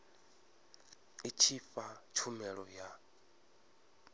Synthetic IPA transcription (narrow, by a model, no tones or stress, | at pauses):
it͡ʃʰifat͡ʃʰumɛɺɔja